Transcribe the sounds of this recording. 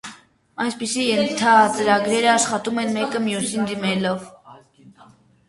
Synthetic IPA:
ɑjspisijɛnt̪ʰɑt͡səɾɑɡɾɛɾəɑʃχɑt̪umɛnmɛkəmjusind̪imɛlɔv

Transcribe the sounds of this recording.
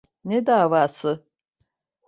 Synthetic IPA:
ned̪aːvaːsɨ

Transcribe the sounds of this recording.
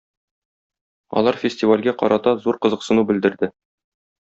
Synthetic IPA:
ɒ̰lˠɑɾfʲɪsʲtʲivalʲɡæqɒ̰ɾɑt̪ɑzuɾqɤ̆zɤ̆qsɤ̆nubɘ̆ld̪ɘ̆ɾd̪ɘ

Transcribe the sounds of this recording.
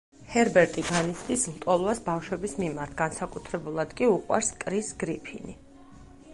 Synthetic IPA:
hɛɾbɛɾt̪ʼiɡanit̪sʰd̪islˠt̪ʼɔlˠvasbafʃwɛbismimaɾt̪ʰɡansakʼut̪ʰɾɛbulˠad̪kʼiuqʼwa̰ɾskʼɾisɡɾipʰḭni

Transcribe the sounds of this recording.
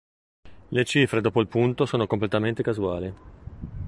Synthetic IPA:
let͡ʃiːfɾed̪ɔːpoilpunt̪osoːnokomplet̪ament̪ekazua̰ːli

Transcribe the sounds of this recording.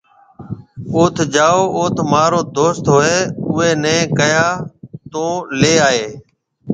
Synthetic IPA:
oːt̪ʰd͡ʒaːoːʔoːt̪ʰmaːɾoːd̪oːst̪ɦoːeːʊeːnẽːkəjaːt̪õːleːaːɦeː

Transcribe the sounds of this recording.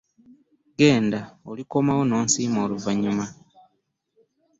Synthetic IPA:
ɡe̞ːndaoliko̞mawo̞no̞ːnsiːmo̞ːluvaɲuma

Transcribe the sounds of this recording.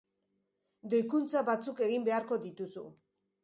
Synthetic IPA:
d̪o̞jkunt͡saβat͡suke̞ɣimbe̞aɾko̞d̪it̪usṵ

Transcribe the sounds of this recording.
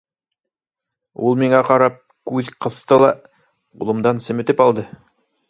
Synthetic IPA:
ulˠmiŋɑqɑɾɑp̚kʉðqɤ̆st̪ɤlˠɑ | qṵlˠɤ̆md̪ɑnsɘ̆mɘ̆t̪ɘpɑlˠd̪ɤ

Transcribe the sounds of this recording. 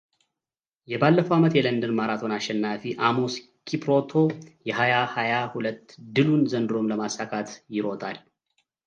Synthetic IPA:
jɛbalːəfəwamət̪jɛlənd̪ɨnmaɾat̪ʰo̞naʃːɛnːafiʔamo̞s | kʰipɾot̪ʰo̞jɛɦajahajahulət̪ːd̪ɨlunzənd̪ɨɾo̞mləmasakʰʼat̪jɪɾo̞t̪ʼal

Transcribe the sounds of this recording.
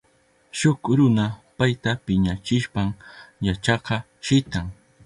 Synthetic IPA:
ʃʊkɾʊnapajt̪apɪɲat͡ʃɪʃpamjat͡ʃɑqɑ | ʃɪt̪aŋ

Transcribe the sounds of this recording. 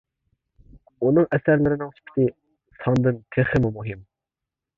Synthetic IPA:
unɨŋʔɛsæɾlɪɾɪnɨŋt̪ʰy̥pʰɪ̥t̪ɪ | sʰɑnd̪ɨnkʲʰeχɨmumuɦɪm

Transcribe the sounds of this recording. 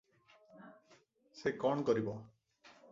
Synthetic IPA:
sekɔɳ̃ɔkɔɾibɔ

